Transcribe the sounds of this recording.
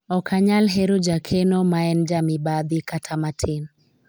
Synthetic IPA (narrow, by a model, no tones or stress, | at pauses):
ɔkʰaɲalɦeɾod͡ʒakʰenomaɛnd͡ʒamɪbad̪ikatʰamatʰɪn